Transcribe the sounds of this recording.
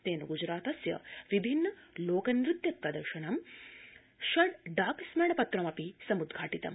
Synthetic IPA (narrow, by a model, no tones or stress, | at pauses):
t̪eːnɐɡud͡ʒɾaːt̪ɐsjɐ̰ʋibʱinːɐloːkɐnɾit̪jɐt̪ːɐd̪ɐɾʂɐɳɐm | ʃɐɖɖaːksmeɳɐpɐt̪ɾɐmɐpisɐmud̪ɡʱaːʈit̪ɐ̰m